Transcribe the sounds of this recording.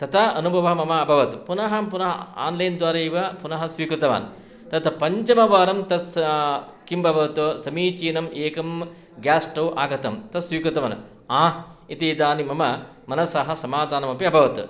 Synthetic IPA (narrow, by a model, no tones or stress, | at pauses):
t̪ɐt̪ʰɐɐ̰nubʱɐʋɐɦɐmɐmɐːbʱɐʋɐt̪upunɐɦɐmpunɐɦɐa̰ːnlɐjnd̪ʋaːɾɐiʋɐpunɐɦɐsʋiːkɾut̪ɐʋa̰ːn | t̪ɐt̪ɐpɐɲt͡ʃɐmɐʋaːɾɐmt̪ɐs | kimbʱɐbʱɐʋɐt̪usɐmiːt͡ʃiːnɐmʔeːkɐm | ɡaːsʈɐwʔaːɡɐt̪ɐmt̪ɐsʋiːkɾut̪ɐʋɐn | aːit̪id̪aːnimɐmɐ | mɐnɐsaːɦɐ̆sɐmaːd̪ʱaːnɐmɐpiɐbʱɐʋɐt̪u